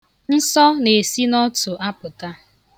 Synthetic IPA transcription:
n̩˦sɔ˦ne˨si˦nɔ˦tʊ˨a˦pʊ˨ta˦

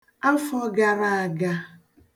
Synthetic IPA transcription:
a˦fɔ˦ɡa˨ɾa˦a˨ɡa˦

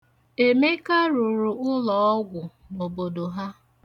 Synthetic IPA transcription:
e˨me˦ka˦ɾu˨ɾu˨ʊ˦lɔ˨ɔ˦ɡʷʊ˨ | no˨bo˨do˨ɦa˦

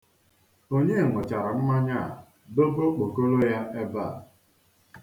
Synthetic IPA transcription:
o˦ɲe˦˨ŋʊ˨t͡ʃa˨ɾa˨m̩˦ma˦ɲa̰˦˨ | do˦bo˦k͡po˨ko˦lo˦ja˦ʔe˦ba˦˨

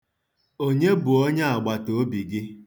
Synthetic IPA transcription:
o˦ɲe˦bu˨o˦ɲa˦a˨ɡ͡ba˨to˨˦bi˨ɡɪ˦

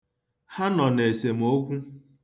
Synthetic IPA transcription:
ha˦nɔ˨ne˨se˨m̩˨o˦kʷu˦

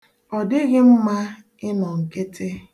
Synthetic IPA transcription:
ɔ˨dɪ˦ɣɪ˦m̩˦ma˦ | ɪ˦nɔ˨ŋ̩˨ke˦tʰe˦

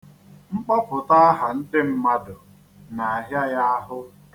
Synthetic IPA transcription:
ŋ͡m̩˦k͡pɔ˦pʊ˨ta˦ɦa˨n̩˦dɪ˦m̩˦ma˦dʊ˨ | na˨a˨ɦja˦ja˦a˦ɦʊ˦

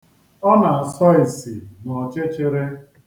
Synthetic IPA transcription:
ɔ˦na˨a˨sɔ˦ɪ˨sɪ˨nɔ˨t͡ʃe˦t͡ʃɪ˦ɾe˦

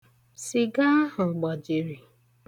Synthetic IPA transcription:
si˨ɡa˦ɦʊ˨ɡ͡bɔ˨d͡ʒi˨ɾi˨

